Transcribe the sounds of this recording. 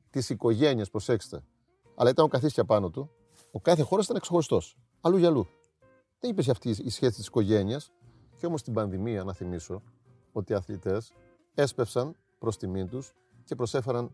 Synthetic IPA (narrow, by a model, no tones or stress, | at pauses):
t̪isiko̞ʝe̞niɐspɾo̞sekse̥t̪e̞̰ | ɐ̰lɐit̪ɐnokɐθiscɐpɐno̞t̪u | okɐθe̞xo̞ɾɐsit̪ɐneksexo̞ɾist̪o̞s | ɐluʝɐlu | ðenipeɾç̬ɐft̪iːsçe̞si̥t̪i̥si̥ko̞ʝe̞niɐs | ceo̞mo̞st̪ibɐnðimiɐnɐθimiso̞ | o̞t̪iːɐθlit̪e̞s | e̞spe̞fsɐn | pɾo̞st̪imint̪us | ce̞pɾo̞se̞fe̞ɾɐn